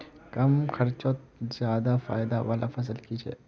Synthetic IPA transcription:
kɐmkʰɐɾt͡ʃoːt̪zjaːd̪afa̰ːɪd̪aʋaːlʔafʰɐs̬əlkit͡ʃʰḛː

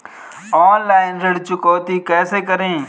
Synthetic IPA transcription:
oːnlaːɪnɾəɽt͡ʃʊkoːt̪iːkɛːseːk̬əɾẽː

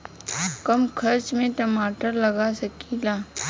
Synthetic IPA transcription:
kɐmkʰɐɾt͡ʃmẽʈɐmaːʈəɾlɐɡaːsɐkilaː

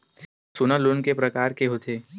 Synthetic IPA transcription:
sʊnalʊnkepɾɐkaːɾkeɦot̪ʰeː

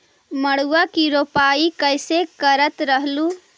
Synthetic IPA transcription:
məɽuwakiɾopaːikəɪsekəɾət̪ɾəɦlu

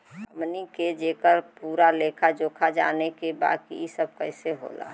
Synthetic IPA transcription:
əmniked͡ʒeːkəɾpuːɾaleːkʰad͡ʒoːkʰad͡ʒa̰ːnekeba̰ːd̪̚kḭisəb̚kəɪseɦo̰la̰

